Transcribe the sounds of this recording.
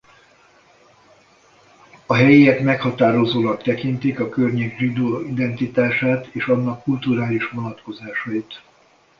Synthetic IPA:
ɒɦɛjiɛt̪mɛkhɒt̪aːɾo̞zoːlɒk̚t̪ɛkint̪ikɒkørɲeːɡʒid̪oːid̪ɛnt̪it̪aːʃaːt̪eːʃɒnːɒkːult̪uɾaːliʃʋo̞nɒt̪ko̞zaːʃɒjit̪

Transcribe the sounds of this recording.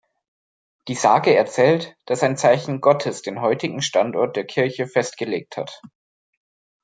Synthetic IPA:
d̥iːzaːɡəɛɐt͡sɛːltd̥asaɪnt͡saɪçn̩ɡɔtʰəsd̥eːnɦɔʏtɪɡŋ̩ʃtantɔɐt̚d̥eːɐkʰɪɐçəfɛstɡ̥əleːk̚tha̰t

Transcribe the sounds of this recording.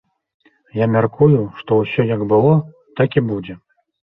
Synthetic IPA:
jamʲarkujuʂt̪ɔwsʲɔjaɡbɨlˠɔ | t̪akʲibud͡zʲɛ

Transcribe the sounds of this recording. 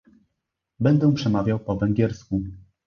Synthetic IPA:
bɛnd̪ɛ̃pʂɛmavʲjawpɔvɛŋɡʲjɛɾsku

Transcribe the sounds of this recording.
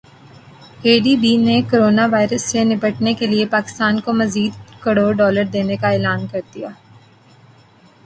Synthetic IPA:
eːɖiːbiːnekoːɾoːnaʋaːɪɾəsːenɪbəʈnekeliepaːkɪ̥st̪aːnkomɐziːd̪kɐɽoːɖɔːləɾd̪eːnekaɛːlaːnkɐɾd̪ijaː

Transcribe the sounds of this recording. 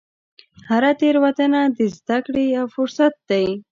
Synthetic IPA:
haɾat̪eɾwat̪ənad̪əzd̪akɽejafʊɾsat̪̚d̪aj

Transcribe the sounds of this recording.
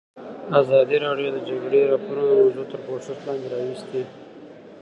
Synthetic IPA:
azɑːd̪iɾɑɖjod̪əd͡ʒaɡɽeɾapunomzut̪əɾpoʂʊslɑ̃ːnd̪eɾɑːwɪst̪e

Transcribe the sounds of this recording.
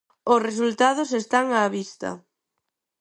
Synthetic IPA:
ʊsres̬ult̪að̞ʊsest̪aŋaːβist̪ɐ̰

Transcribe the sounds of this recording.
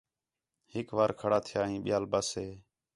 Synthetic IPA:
hɪkʋaːɾkʰəɽaːt̪ʰɪjaːɦĩːɓɪjaːlbaːseː

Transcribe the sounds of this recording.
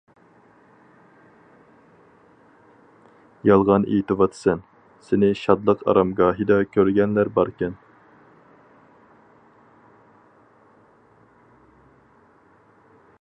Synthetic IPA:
jɑlˠʁɑnʔḭt̪ɨvɑt̪ʰsɛn | sɪnɪʃɑd̪lˠəqɑ̰ɾɑmɡɑːɦid̪ɑkʲʰøɾɡʲɛnlæɾbɑɾkʲɛn

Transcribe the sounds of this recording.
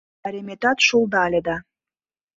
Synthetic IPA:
æɾemet̪ɑt̪ʃulˠd̪ɑlʲed̪ɑ

